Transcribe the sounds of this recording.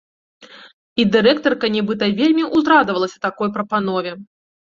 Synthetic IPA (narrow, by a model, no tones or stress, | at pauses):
id̪ɨɾɛkt̪ɐrkɐnʲɛbɨt̪ɐvʲelʲmʲiʔuzɾad̪vɐlˠɐsʲɐt̪akɔjpɾɐpan̪ɔvʲɛ